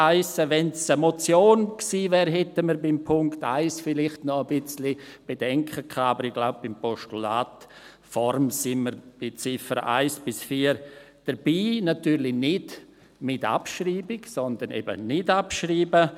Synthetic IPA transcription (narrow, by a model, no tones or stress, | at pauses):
aɪsəvɛnsəmot͡sjoːnksiːvɛːɾɦɛtəməɾbɪmpʰʊŋkta̰ɪsfɪlɪχtnɔəbɪt͡slib̥ed̥ɛŋkʰəkʰaːabəɾɪɡ̥laʊp̚bɪmpɔʃtulaːt | fɔɾmsɪnməɾb̥ɪt͡sɪfəɾʔa̰ɪsb̥ɪsfiːəɾ | d̥əɾb̥iːnatyːɾlɪnɪd | mɪta̰pʃɾiːbɪɡsɔnd̪ənɛ̰bə̰nɪtapʃɾiːbə